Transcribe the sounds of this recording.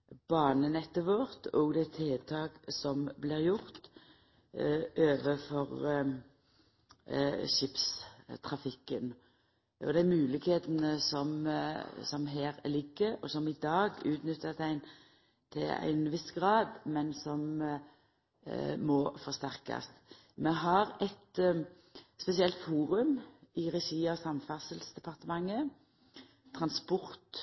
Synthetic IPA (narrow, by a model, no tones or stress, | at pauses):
b̥ɑːnənɛt̪ːəʋɔɾt̪ʰɔɡd̪ɛt̪ʰeːt̪ʰɑːɡsɔmblɪːʁjʊʁt̪ | ʔøːʋəfɔʁ | ʃɪpst̪ʰʁɑfɪkːən | ʔɔ̰d̪ɛæmʉːlɪkheːt̪ənəsɔm | sɔmɦeːɾlɪɡːəɔsɔmɪd̪ɑːɡʉːt̪nʏt̪ʰːət̪æɪn | t̪ʰɪlæ̰ɪnʋɪsɡʁɑːd̪mɛnsɔm | mɔfɔst̪æʁkɑ̰st̪ | mɛɦɑʁɛt̪ | spɛsɪɛlt̪fuːʁʉmɪʁɛʃiːɑsɑmfɑsəlsd̪ɛpʰɑʁt̪əmɑŋːə | t̪ʰʁɑnspɔʁt̪